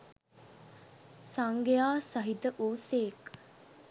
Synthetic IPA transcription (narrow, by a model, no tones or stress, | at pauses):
saŋɡejaːsɐɦid̪əʔuːseːk